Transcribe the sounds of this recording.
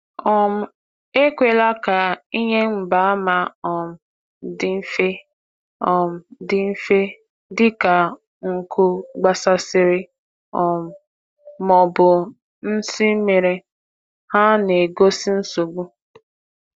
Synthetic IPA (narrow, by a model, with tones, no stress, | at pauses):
ɔ˦˨m̩˨ | e˦kʷe˨la˦ka˨i˦ɲe˦ŋ͡m̩˨ba˨˦a˦ma˨ɔ˨m̩˨ | dɪ˦m̩˦fe˦ | ɔ˨m̩˨dɪ˦m̩˦fe˦ | dɪ˦ka˨ | ŋ̩˨kʰʊ˦ɡ͡ba˦sa˦sɪ˦ɾɪ˦ | ɔ˨m̩˨ | mɔ˨bʊ˨ | n̩˦si˦me˨ɾe˦ | ha˦ne˨ɡo˦si˦n̩˦so˨ɡ͡bu˦